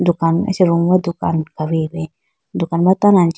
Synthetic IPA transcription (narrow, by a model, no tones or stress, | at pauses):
d̪ukanɛ̰sɛɾuŋwad̪ukankaɾibɛ | d̪ukanbat̪anant͡ʃ